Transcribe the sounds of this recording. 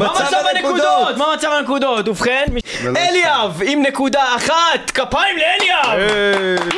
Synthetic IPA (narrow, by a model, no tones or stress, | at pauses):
mamt͡savanekuddot̪mamat͡savanekud̪ot̪ufχenmi | eliavimnekud̪aːχat̪kapaimleeljav